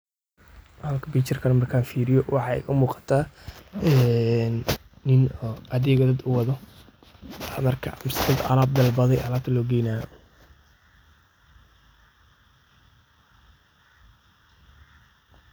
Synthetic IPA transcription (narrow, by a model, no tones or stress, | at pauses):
hɐlkʰɐbiːt͡ʃɐrkʰɐnɐmɐrkʰaːnfiːɾɪjɔwɑħɑɪ̰kʰɐmuːqɑ̥t̪ʰa | ɛnːɪnɔːʔɐðɛːɣɐd̪ɐd̪ʊwɑðɔ | mɐrkʰɐmsd̪ɐd̪ɐ̰laːb̚d̪ɐlbɐðɛjʔɐlaːt̪ʰlɔːɡɛjnaː